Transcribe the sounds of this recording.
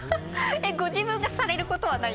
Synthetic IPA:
eɡod͡ʑibɯ̃ŋɡasaɾeɾɯkot̪oβana

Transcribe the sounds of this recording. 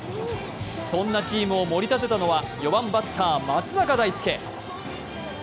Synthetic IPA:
sõ̞nːat͡ɕiːmɯ̟o̞mo̞ɾʲit̪at̪e̞t̪ano̞βajo̞βãmbat̪ʰːaːmat͡sɨnakad̪aisɨ̥ke̞

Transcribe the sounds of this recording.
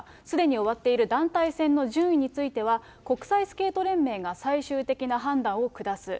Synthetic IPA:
sɨd̪e̞ɲ̟io̞β̞at̪ːe̞iɾɯ̟d̪ãnt̪aisẽ̞nːo̞ʑɨ̃ɰ̃iɲ̟it͡sɨit̪e̞β̞a | ko̞kɯ̟̥saisɨ̥ke̞ːt̪o̞ɾẽ̞mːe̞ːɡasaiɕɨːt̪e̞kʲinaɦãnd̪ãɰ̃o̞kɯ̟d̪asɨ

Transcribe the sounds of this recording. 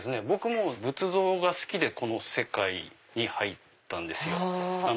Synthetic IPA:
sɨne̞bo̞kɯ̟mo̞bɯ̟t͡sɨzo̞ːɡasɨ̥kʲid̪e̞ko̞no̞se̞kai | ɲ̟ihait̪ːãnd̪e̞sɨjo̞a

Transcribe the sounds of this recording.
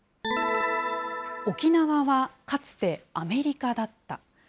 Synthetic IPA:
o̞kʲinaβaβakat͡sɨ̥t̪e̞ame̞ɾʲikad̪at̪ːa̰

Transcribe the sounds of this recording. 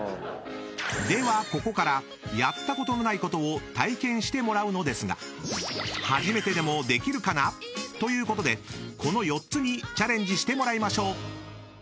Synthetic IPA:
d̪e̞βako̞ko̞kaɾa | jat̪ːako̞t̪o̞no̞naiko̞t̪o̞ːt̪aikẽ̞ɰ̃ɕi̥t̪e̞mo̞ɾaɯ̟no̞d̪e̞sɨɡa̰ | haʑime̞t̪e̞d̪e̞mo̞d̪e̞kʲiɾɯ̟kanat̪o̞jɯ̟ːko̞t̪o̞d̪e̞kʰo̞no̞jo̞t̪t͡sɨɲ̟it͡ɕaɾẽ̞ɲ̟d͡ʑiɕi̥t̪emo̞ɾaimaɕo̞ː

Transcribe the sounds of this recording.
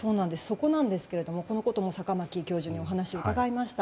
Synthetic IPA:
so̞ːnãnd̪e̞sɨ̥so̞ko̞nãnd̪e̞sɨ̥ke̞ɾe̞d̪o̞mo̞ko̞no̞ko̞t̪o̞mo̞sakamakʲikʲo̞ːʑɨːɲ̟io̞ɦanaɕiookaɡaimaɕi̥t̪a

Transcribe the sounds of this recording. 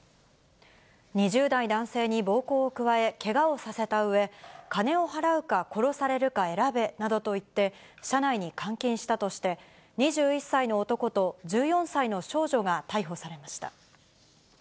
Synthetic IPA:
ɲ̟iʑɨːd̪aid̪ãɰ̃se̞ːɲ̟ibo̞ːko̞ːkɯ̟βae̞ke̞ɡao̞sase̞t̪aɯ̟e̞kane̞o̞ɦaɾaɯ̟kako̞ɾo̞saɾe̞ɾɯ̟kae̞ɾabe̞nad̪o̞t̪o̞it̪ːe̞ | ɕanaiɲ̟ikãŋkʲĩɰ̃ɕi̥t̪at̪o̞ɕi̥t̪e̞ | ɲ̟iʑɨːisːaino̞ːt̪o̞ko̞t̪o̞d͡ʑɨːjõ̞ɰ̃saino̞ɕo̞ːʑo̞ɡat̪aiɦo̞saɾe̞maɕi̥t̪a̰

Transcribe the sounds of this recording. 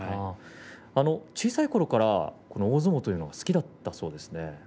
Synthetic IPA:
a | ano̞t͡ɕiːsaiko̞ɾo̞kaɾa̰ko̞nooːzɨmo̞t̪o̞jɯ̟ːno̞ɡasɨ̥kʲid̪at̪ːaso̞ːd̪e̞sɨ̥ne̞

